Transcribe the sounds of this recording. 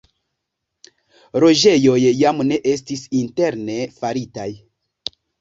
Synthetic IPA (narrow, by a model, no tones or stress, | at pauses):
ɾo̞ʒe̞jo̞jːamne̞ʔe̞s̬tisinte̞ɾne̞faɾitaj